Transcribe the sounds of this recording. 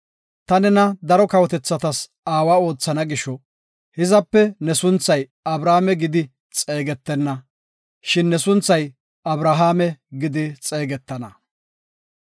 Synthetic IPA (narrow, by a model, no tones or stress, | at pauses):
t̪ɐnɛnɐd̪ɐɾɔkɐwɔt̪ɛt͡sːɐt̪ɐs | aːwaːo̞ːt͡sːɐnɐɡɪʃɔ | hɪzɐpːɛnɛsʊnt͡sːɐjɐbɾaːmɛɡɪd̪ɪ | t͡sʼe̞ːɡɛt̪ːɛnːɐ | ʃɪnːɛsʊnt͡sːɐj | ɐbɾaɦaːmɛɡɪd̪ɪt͡sʼeːɡɛt̪ːɐnɐ